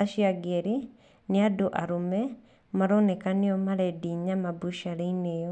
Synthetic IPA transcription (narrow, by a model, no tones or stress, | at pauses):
aʃiaɡeɾi | neadoʔaɾomɛ | maɾonekaneɔmaɾɛdiɲamabuʃaɾeinejɔ